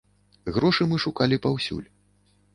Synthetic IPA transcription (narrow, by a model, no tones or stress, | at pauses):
ɣɾɔʂɨmɨʂukalʲipawsʲṵlʲ